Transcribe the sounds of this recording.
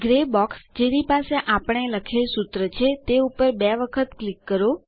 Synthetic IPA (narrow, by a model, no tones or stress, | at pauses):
ɡɾebɔksd͡ʒenipaseʔapəɳ̃eləkʰelsut̪ɾət͡ʃʰet̪eupəɾbɛʋəkʰət̪klikːəɾo